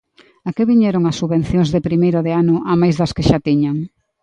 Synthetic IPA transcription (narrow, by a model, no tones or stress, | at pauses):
akɪβiɲɛɾoŋɐsːuβen̟θjõŋzðepɾimejɾʊðeanʊʔamajzðɐskɪʃat̪iɲaŋ